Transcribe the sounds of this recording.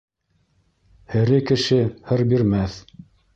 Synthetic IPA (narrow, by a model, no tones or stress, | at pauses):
hɘ̆ɾɘkɘ̆ʃɘhɤɾbiɾmæθ